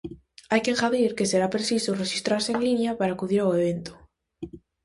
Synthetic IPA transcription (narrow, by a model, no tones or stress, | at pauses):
ajkeŋxaðiɾke̞se̞ɾapɾe̞sisore̞xist̪ɾaɾse̞ːŋlinjapaɾaːkuð̞iɾawe̞β̞e̞nt̪o̥